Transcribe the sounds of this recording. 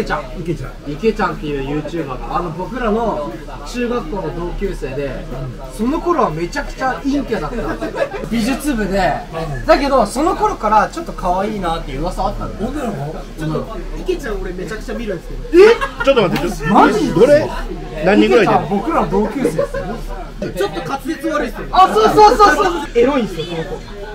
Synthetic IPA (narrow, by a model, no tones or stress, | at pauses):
ket͡ɕã̰k | ike̞t͡ɕãnt̪ːe̞jɯ̟ːjɯ̟ːt͡ɕɯːbat̪oano̞bo̞kɯ̟ɾano̞ | t͡ɕɨːɡakːo̞ːno̞d̪o̞ːkʲɨːse̞ːd̪e̞ | so̞no̞ko̞ɾo̞βame̞t͡ɕakɯ̟̥t͡ɕaĩŋkʲed̪at̪ː | bʲiʑɨt͡sɨbɯ̟d̪e̞d̪ake̞d̪o̞so̞no̞ko̞ɾo̞kaɾat͡ɕo̞t̪ːo̞kʰaβaiːnaːt̪ːe̞jiɯβasaːt̪ːãnod̪eɾmo | t͡ɕot̪ːoike̞t͡ɕãoɾeme̞t͡ɕakɯ̟̥t͡ɕamʲiɾɯ̟neske | et͡ɕot̪ːomaemaʑioɾe | nãɲiĩket͡ɕabo̞kɯ̟ɾaβad̪o̞ːkʲɨːseːd̪es | t͡ɕo̞t̪ːokat͡sɨ̥et͡sɨɡaɾɯsasoːsoːsoːsoːe̞ɾo̞ĩnd̪sɨjosonoko